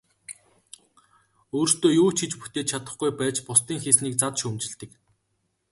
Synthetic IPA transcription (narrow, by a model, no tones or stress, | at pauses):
oːrst̪oːjuːt͡ɕʰit͡ɕput̪eːt̪t͡ɕʰat̪ə̆χɡujpæːt͡ɕpʊst̪iːŋxesniːk̚t͡sat̪ʃɵmt͡ɕɪ̆ɮt̪ɘ̆k